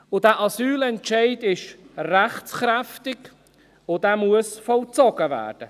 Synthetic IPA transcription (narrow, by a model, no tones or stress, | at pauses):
ʊdæːʔɑsyːlɛntʃɛɪdɪʃ | ræχt͡sχɾæftɪɡ | ʊd̥æːmuəsfɔlt͡sɔɡ̥əvæ̰ːɾd̥ə